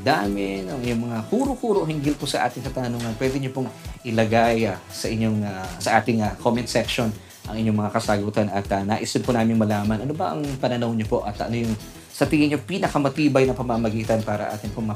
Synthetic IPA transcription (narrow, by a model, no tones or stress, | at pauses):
d̪aːmɪnɐŋʔɪɲoŋmɐŋakuːɾokuːɾoʔhɪŋɡɪlposɐʔa̰ːt̪ɪŋkɐt̪anoŋɐnpwɛːd̪ɛɲopʊŋʔɪlɐɡajasɐʔɪɲoŋasɐʔaːt̪ɪŋakʰomɛnt̪sɛkʃon | ʔɐ̰ŋɪɲoŋmɐŋakɐsaɡuːt̪ɐnɐt̪ɐnaːʔɪsɪnpʊnaːmɪŋmɐlaːmɐnʔɐnobɐʔɐŋpɐnɐnɐwɲopo̞ʔɐt̪ɐ̰nojʊŋ | sɐt̪iːhɪnɲopiːnɐkɐmɐt̪iːbɐjnɐpɐmamɐɡiːt̪ɐnpaːɾɐ̰ʔa̰ːt̪ɪŋpomɐ